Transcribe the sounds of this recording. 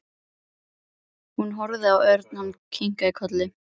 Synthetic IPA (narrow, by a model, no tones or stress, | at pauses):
hunɦɔɾðɪawœɾt̪namkʰiŋ̥kaikʰœt̪lɪ